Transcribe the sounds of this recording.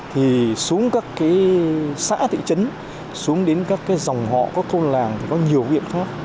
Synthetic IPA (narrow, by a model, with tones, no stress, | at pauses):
t̪ʰi˨˩su˨˦əŋkaː˦˥kːaː˨˦jsa̰ː˧˥t̪ḭ˧˨t͡ɕə˨˦n | su˨˦əŋɗe˨˦nkaː˦˥kːaː˨˦jza˨˩wŋ͡mɦɔ̰˧˨kɔ˨˦˥k̚t̪ʰo˧nlaː˨˩ŋt̪ʰi˨˩kɔ˨˦ɲi˨˩əwvḭ˧˨ənxaː˦˥k̚